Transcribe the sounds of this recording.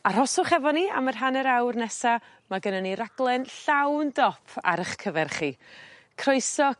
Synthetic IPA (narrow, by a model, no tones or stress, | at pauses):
aɾɔsʊχɛvɔnia̰mərɦanɛɾawrnɛsa | maɡənəniɾaɡlˠɛnɬawndɔpʰa̰ɾəχkʰəvɛrχi | kʰrojsɔ